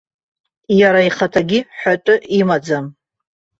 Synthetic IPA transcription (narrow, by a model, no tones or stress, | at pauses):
jaɾaiχatʰaɡʲiħatʼʊʔimad͡zam